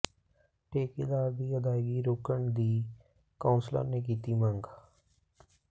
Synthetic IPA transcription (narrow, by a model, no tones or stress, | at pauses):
ʈeːked̪aːɾd̪iːəd̪aːɪɡiːɾoːkəɳd̪iː | kaːnsla̰ːneːk̬iːt̪iːməŋɡ